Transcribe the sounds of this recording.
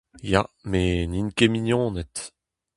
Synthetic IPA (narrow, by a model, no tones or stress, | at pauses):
ja̰meninkeminjɔ̃ːnɛt̪